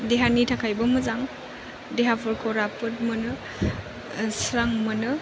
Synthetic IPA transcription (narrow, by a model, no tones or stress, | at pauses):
deɦanitʰakʰajbɯmɯzaŋ | deɦapʰɔɾkʰɔɾapɯt̚mɯnɯ | sɾaŋmɯnɯ